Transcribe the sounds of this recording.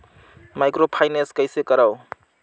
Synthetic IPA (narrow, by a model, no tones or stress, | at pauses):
majkɾopʰajneskʌjsekʌɾaw